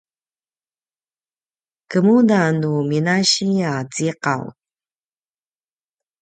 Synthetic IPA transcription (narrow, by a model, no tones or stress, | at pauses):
kəmunanuminaɕiat͡siqa̰w̰t̚